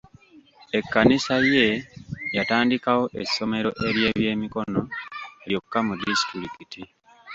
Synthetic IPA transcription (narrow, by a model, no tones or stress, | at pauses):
e̞kːanisaje̞jataːndikawo̞ʔe̞sːo̞me̞ɾo̞ʔe̞ɾje̞ːβje̞ːmiko̞no̞eljo̞kukːamudistiɾikiti